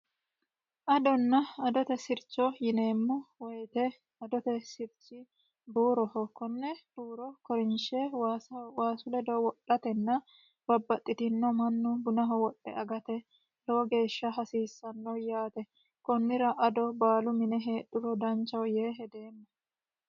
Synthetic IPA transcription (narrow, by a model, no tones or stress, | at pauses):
ʔɐd̪ɔnːɐɐd̪ɔt̪ɛsɪɾt͡ʃːɔjɪne̞ːmːɔwɔjt̪ɛ | ɐd̪ɔt̪ɛsɪɾt͡ʃːɪ | buːɾɔhɔkɔnːɛb̥uːɾɔkɔɾɪnʃɛwaːsɐwaːsʊlɛd̪ɔwɔɗɐt̪ɛnːɐ | b̥ɐbːɐt̪ʼːɪt̪ɪnːɔmɐnːʊbʊnɐɦɔwɔɗːɛ̰ʔɐɡɐt̪ɛ | lɔwɔɡe̞ːʃːɐɦɐsiːsːɐnːɔjaːt̪ɛ | kɔnːɪɾɐʔɐd̪ɔbaːlʊmɪnɛɦeːᶑʊbɔd̪ɐnt͡ʃːɐwjeːɦɛd̪e̞ːmːɐ